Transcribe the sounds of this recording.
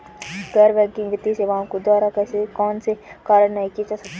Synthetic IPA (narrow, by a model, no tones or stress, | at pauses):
ɡɐɾʋɛːkɪ̃ŋɡʋɪt̪iseʋɐɦãkod̪aːɾakɛːsekɔːnsekaːɾəɽnɐɦĩkied͡ʒaːsɐk̚t̪e